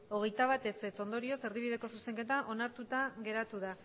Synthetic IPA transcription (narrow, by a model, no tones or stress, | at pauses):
o̞ɣ̞e̞jt̪aβat̪e̞sβe̞t͡so̞nd̪o̞ɾio̞se̞ɾðiβiðe̞ko̞suse̞ŋke̞t̪aʔo̞naɾt̪ut̪aɣe̞ɾat̪uða